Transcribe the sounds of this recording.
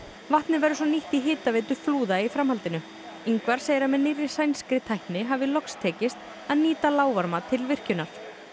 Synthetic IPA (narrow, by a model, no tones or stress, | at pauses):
vaht̪nɪvɛɾʏsɔniht̪iɦɪːt̪aveːt̪ʏfluːðaifɾamhalt̪ɪnʏ | iŋkvaɾ̥seːjɾamɛnːɪrɪ̥sajnskɾɪt̪ʰajhknɪɦavɪlɔkst̪ʰɛːcɪst̪ | aðniːt̪alaːwvaɾmat̪ʰɪlvɪr̥cʏnaɾ̥